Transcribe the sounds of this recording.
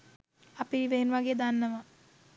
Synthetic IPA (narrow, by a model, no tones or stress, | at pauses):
ɐpiiʋeːnʋaɡjed̪aːnːɐʋɐ